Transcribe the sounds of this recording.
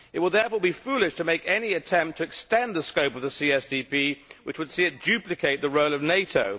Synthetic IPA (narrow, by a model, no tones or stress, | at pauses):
ɨt̚wəlˠðɛɹfɔːɹbifulˠɪʃtʰəmeɪkɛniɨtʰɛ̃mp̚tʰɨːkstɛ̃nðəskoʊpʌvðəsiɛsdipʰiwɨt͡ʃwɨd̥siɨt̚d̥ʉplɨkʰeɪt̪̚ðəɹoʊlˠʌvneɪtoʊ